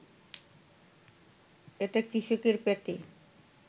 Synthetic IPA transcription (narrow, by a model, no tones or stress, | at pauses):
eʈekɾiʃukiɾpeʈi